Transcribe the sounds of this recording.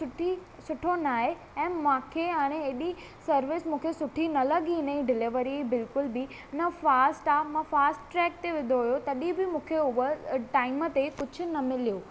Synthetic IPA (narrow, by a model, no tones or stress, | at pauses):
sʊʈʰi | sʊʈʰonaːɦe | ɛ̃ːmãːkʰeaːɽ̃ẽeːɗi | sɐɾʋɪsmũːkʰesʊʈʰinɐlɐɠinəĩɖɪlɪʋəɾibɪlkʊlbɪ | nɐfaːsʈaːmãːfaːsʈʈɾɛːk̚t̪eʋɪ̃nd̪ʱoɦʊjot̪ɐɗibɪmũːkʰeʊʋəʈaːɪmət̪ekʊd͡ʑʱʊ̆nɐmɪlijoː